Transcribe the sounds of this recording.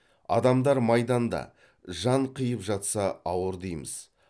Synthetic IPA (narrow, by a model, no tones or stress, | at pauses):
ɑ̰d̪ɑmd̪ɑɾmɑjd̪ɑnd̪ɑ̰ | ʒɑɴqʰəjəpʒɑt̪sɑɑwəɾd̪ejmə̰z̥